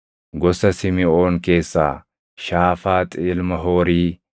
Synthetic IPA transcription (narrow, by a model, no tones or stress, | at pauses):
ɡɔsɐsɪmɪo̞ːŋke̞ːsːa̰ː | ʃaːfaːt̪ʼiːlmɐɦoːɾiː